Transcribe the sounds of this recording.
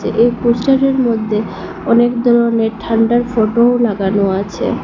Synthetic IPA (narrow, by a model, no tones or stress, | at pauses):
eʔejposʈaɾeɾmod̪ʱːe | ɔnekd̪ʱɔɾoneʈʰaɳɖaɾfoʈoolaɡanoat͡ɕʰḛ